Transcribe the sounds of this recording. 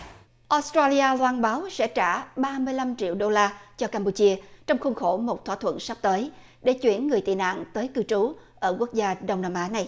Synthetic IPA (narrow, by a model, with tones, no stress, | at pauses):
ʔɔ˨˦˥stɾa˧li˧ʔaː˧lwaː˧nɓaː˨˦wsɛ̰˧˥t͡ɕaː˧˩ɓaː˧mɨ˧əjla˧mt͡ɕḭ˧˨əwɗo˧laː˧t͡ɕɔ˧kaː˧mpu˧t͡ɕi˧ət͡ɕɔ˧wŋ͡mxʊ˧ŋ͡mxo˧˩mo˨˩t̚t̪ʰwaː˧˥t̪ʰwə̰˧˨nsa˦˥p̚t̪əː˨˦j | ɗe˧˩t͡ɕwḭ˧˩ənŋɨ˨˩əjt̪ḭ˧˨na̰ː˧˨ŋt̪əː˨˦jkɨ˧t͡ɕu˨˦ | ʔəː˧˩kwək̚zaː˧ɗə˧wŋ͡mnaː˧mʔaː˨˦na˨˩j